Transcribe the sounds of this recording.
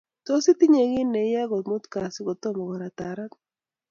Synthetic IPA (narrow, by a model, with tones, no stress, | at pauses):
t̪o˦si˦t̪i˦ɲe˨ɡɪ˦nːe˨˦ja˦ɡɔ˨tmo˦t̪ka˨sɪ˦ɡo˨t̪o˦mɔ˨ɡɔ˨ɾa˨t̪a˨ɾa˦k